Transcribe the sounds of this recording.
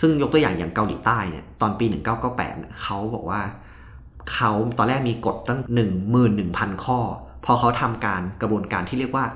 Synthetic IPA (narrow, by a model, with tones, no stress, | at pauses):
sɯ˥˩ŋjo˦˥k̚t̪u˧əjaː˨˩ŋja̰ː˨˩ŋka˧wlḭː˩˦t̪aː˥˩jnḭ˥˩ɐt̪ɔː˧npiː˧nɯ˨˩ŋkaː˥˩wkaː˥˩wpɛ̰ː˨˩t̪̚nḭ˥˩ɐkʰa˦˥wbɔ̰ː˨˩k̚waː˥˩ | kʰa˦˥wt̪ɔː˧nlɛː˥˩k̚miː˧ko˨˩t̪̚ːa˥˩ŋnɯ˨˩ŋmɯː˨˩nːɯ˨˩ŋpʰa˧nkʰɔː˥˩ | pʰɔ˧xʰa˦˥wt̪ʰa˧mkaː˧nkɾa˧bu˧ənkaː˧nt̪ʰiː˥˩ɾi˥˩ək̚waː˥˩